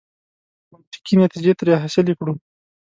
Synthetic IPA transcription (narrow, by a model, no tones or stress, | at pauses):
ʊt̪i̥kinat̪id͡ʒet̪ɾɑɦasɪlekɽu